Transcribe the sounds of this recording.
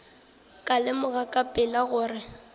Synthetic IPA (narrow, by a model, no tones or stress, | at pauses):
kʼalɪmʊɣakʼapʼɪlaɣʊːrɪ